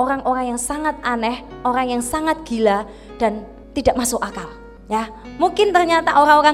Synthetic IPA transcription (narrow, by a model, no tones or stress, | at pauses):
oɾaŋʔoɾaŋjaŋsaŋat̪̚anɛhʔoɾaŋjaŋsaŋat̪̚ɡ̥ila | d̥an | t̪idaʔmasʊkakal | ja | muŋkɪnt̪ərɲat̪aʔoɾaŋoɾa